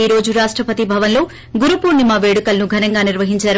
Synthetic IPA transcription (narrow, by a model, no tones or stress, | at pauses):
iːɾo̞ːd͡ʒuɾaːʂʈɾɐpɐt̪ibʱɐʋɐnlo̞ː | ɡuɾupuːɾnimaːʋe̞ːɽukɐlnuɡʱɐnɐŋɡaːniɾʋɐɦiɲt͡ʃaːɾu